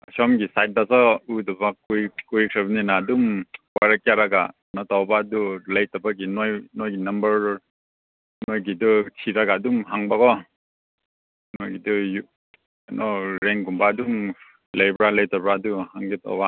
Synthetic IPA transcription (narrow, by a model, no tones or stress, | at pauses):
asɔmɡisajt̚dasɔudɔbakujkujkʰabaninaːdumwaɾak̚jaɾaɡa̰ | natawbadulajtabaɡinojnojɡinɐmbɐɾ | nojɡidutʰiɾaɡaːdumɦaŋbakɔ | nojɡiduju | anʔɔɾeŋɡumbaːdum | lajbɾalɐjtabɾaduhaŋɡita̰wba